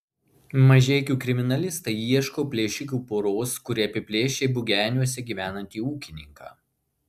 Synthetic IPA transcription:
mɐʒʲɛɪkʲuːkɾʲɪmʲɪnɐlʲɪst̪ɐɪiɛʃkoːpʲlʲeːʃʲɪkʲuːpoːɾoːskʊɾʲɪɐpʲɪpʲlʲeːʃʲeːbʊɡʲæːnʲuɔsʲɛɡʲiːʋʲæːnɐnʲt̪ʲiːuːkʲɪnʲɪŋkɑ̰ː

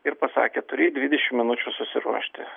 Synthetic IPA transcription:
ɪɾpɐsɑ̰ːkʲet̪ʊɾʲɪːd̪ʲʋʲɪd̪ʲɛʃʲɪmmʲɪnʊt͡ʃʲuːsʊsʲɪɾṵɔʃʲt̪ʲɪ

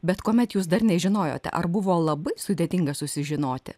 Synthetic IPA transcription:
bʲɛt̪koːmʲɛt̪juːsd̪ɐrnʲɛʒʲɪnoːjo̰ːt̪ʲɛ̰ʔɐ̰rbʊʋoːlˠɐbɐɪsʊd̪ʲeːt̪ʲɪŋɡɐsʊsʲɪʒʲɪnoːt̪ʲɪ̰

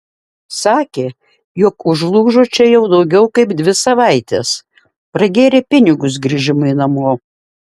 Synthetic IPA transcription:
sɑːkʲeː | joːkʊʒlˠuːʒoːt͡ʃʲɛjɛʊd̪ɒʊɡʲɛʊkɐɪpd̪ʲʋʲɪsɐʋɐɪt̪ʲeːs | pɾɐɡʲeːɾʲepʲɪnʲɪɡʊs̬ɡɾʲɪʒʲɪmʊɪnɐmoː

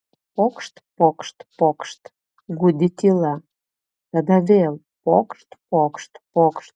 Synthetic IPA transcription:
pokʃt̪pokʃt̪pokʃt̪ | ɡud̪ʲit̪ʲilɑ | t̪əd̪ɑvel | pokʃt̪pokʃt̪pokʃt̪̚

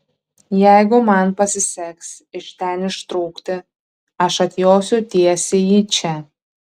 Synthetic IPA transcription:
jæˑɪɡʊmɐnpɐsʲɪsʲɛks | ɪʃt̪ʲɛnɪʃt̪ɾuːkt̪ʲɪ | ɐʃɐt̪ʲjoːsʲut̪ʲiɛsʲeːjiːt͡ʃʲɛ

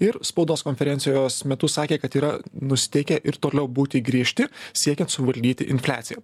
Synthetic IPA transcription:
ɪɾspɐʊd̪oːskoːnʲfʲɛɾʲɛnt̪ʲɪjoːsmʲɛt̪ʊsɑːkʲeːkɐt̪iːɾɐnʊsʲɪ̥t̪ʲɛɪkʲɛʔɪɾt̪oːlʲɛʊbuːt̪ʲɪɡɾʲiɛʃʲt̪ʲɪsʲiɛkʲɛnt̪sʊʋɐlʲd̪ʲiːt̪ʲɪ̰ʔɪnʲfʲlʲæ̰ːt̪sʲɪjɛ

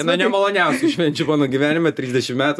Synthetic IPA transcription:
ɛnɐnʲɛmɐlˠoːnʲɛˑʊsʲʊʃʲʋʲɛnʲt͡ʃʲʊmɑːnoːɡʲiʋʲæːnʲɪmʲɛt̪ʲɾʲiːzʲd̪ʲɛʃʲɪmmʲæːt̪

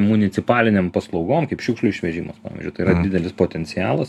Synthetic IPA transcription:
mʊnʲɪt̪sʲɪpɑːlʲɪnʲeːmpɐslˠɒʊɡoːmkɐɪpʃʲuːkʃlʲˠʊɪʃʲʋʲɛʒʲiːmɐspɑ̰ːʋʲɪ̰zʲʊt̪ɐɪiːɾɐd̪ʲɪd̪ʲɛlʲɪspoːt̪ʲɛnʲt͡s̪ʲɪjɑ̰ːlˠɐs

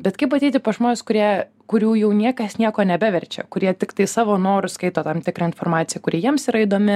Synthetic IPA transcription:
bʲɛt̪kɐɪpɐt̪ʲɛɪt̪ʲɪpoʒmoːnʲɪskʊɾʲiɛ | kʊɾʲuːjɛʊnʲiɛkɐsnʲiɛkoːnʲɛbʲæʋʲɛɾʲt͡ʃʲɛ̰kʊɾʲiɛt̪ʲɪkt̪ɐɪsɑːʋoːnoːɾʊskɐɪt̪oːt̪ɐmt̪ʲɪkɾɐɪnfoːɾmɑːt̪sʲɪjɛkʊɾʲiɛjiɛmsiːɾɐɪd̪oːmʲɪ

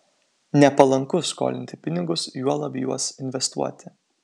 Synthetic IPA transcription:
nʲɛpɐlˠɐŋkʊsko̰ːlʲɪnʲt̪ʲɪpʲɪnʲɪɡʊsjuɔlˠɐbʲjṵɔsɪnʲʋʲɛst̪ṵɔt̪ʲɪ

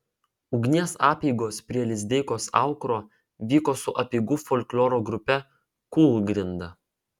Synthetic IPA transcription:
ʊɡʲnʲiɛsɑːpʲiːɡoːspʲɾʲiɛlʲɪzʲd̪ʲɛɪkoːsɑ̰ˑʊkɾoː | ʋʲiːkoːsʊʔɐpʲiːɡʊfoːlʲklʲoːɾoːɡɾʊpʲɛ | kuːlˠɡɾʲɪnd̪ɐ

